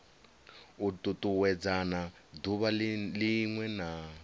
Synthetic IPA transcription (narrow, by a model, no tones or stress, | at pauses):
utʼutʼuwɛd͡zana | duβaliŋwɛna